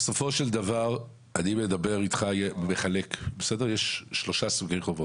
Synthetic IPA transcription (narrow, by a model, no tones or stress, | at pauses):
beso̞fo̞ʃeld̪avaʁ | animed̪abe̞ʁit̪χajemeχale̞kbesedeʁjeʃːlo̞ʃasuɡiχovot